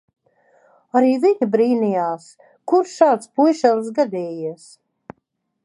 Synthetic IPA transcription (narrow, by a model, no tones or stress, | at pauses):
aɾiːviɲʲibɾiːnijaːs | kuɾʃʃaːt̪spujʃɛlˠs̬ɡad̪ɛːjis